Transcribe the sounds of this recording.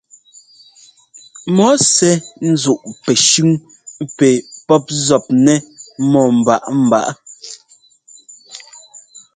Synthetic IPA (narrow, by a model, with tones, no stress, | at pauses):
mɔ˨˦sɛ˦n̩˦zu˨ʔpɛ˨ʃʉ˦ŋ | pɛ˨pɔ˦p̚zɔ˨p̚nɛ˦mɔ˨m̩˨ba̰˨ʔm̩˨ba̰˦˨ʔ